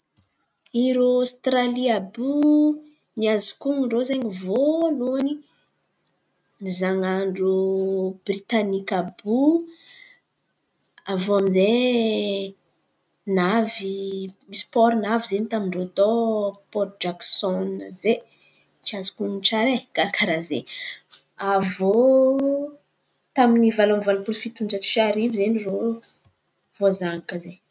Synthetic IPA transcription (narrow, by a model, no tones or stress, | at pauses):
iɾost̪ɾaliabu | miazu̥kuŋiɳɖ͡ʐozeɲivoluani | mizaŋaɳɖ͡ʐubrit̪anikabu | avoamize | navimispɔɾinavizenit̪amiɳɖ͡ʐot̪opɔɾd͡ʒaksɔnze | t͡ʃiazu̥kuniʈ͡ʂaɾekaɾakaɾazḛ | avo | t̪aminivalamivalupulfit̪und͡ʒət͡si̥ʃaɾivizeniro | v̥ozaŋakəze